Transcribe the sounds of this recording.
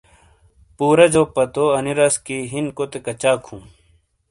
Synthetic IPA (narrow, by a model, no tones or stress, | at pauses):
puːɾɐd͡ʑoːpɐt̪oɐniɾɐskiɦinkot̪ekɐt͡ɕaːkʰũː